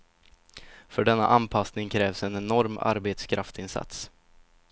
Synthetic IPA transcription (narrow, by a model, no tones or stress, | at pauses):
fœɖɛnːa̰ʔanpʰasnɪŋkʰɾɛːvsɛnɛnɔɾma̰ɾbeːt̪skʰɾaft̪ɪnsa̰t̪s